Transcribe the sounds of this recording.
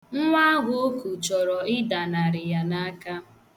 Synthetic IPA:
ŋ̩˦ŋʷa˦a˦ɡʷʊ˦o˦ku˨t͡ʃɔ˨ɾɔ˨ɪ˦da˨na˨ɾɪ˨ja˨na˦ka˦

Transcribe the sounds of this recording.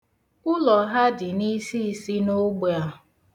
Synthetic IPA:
ʊ˦lɔ˨ɦa˦dɪ˨ni˦si˦˨si˦no˦ɡ͡be˨a˦

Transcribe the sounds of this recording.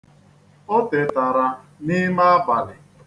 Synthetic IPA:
o˦te˨ta˨ɾa˨ | nɪ˦ma˦a˦ba˨lɪ˨

